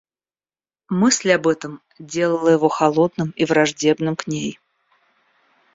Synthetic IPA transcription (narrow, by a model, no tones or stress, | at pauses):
mɨsʲlʲɐbɛt̪əm | dʲelˠəlˠəjɪvoxɐlˠod̪nɨmivɾɐʐdʲe̞bnɨmknʲej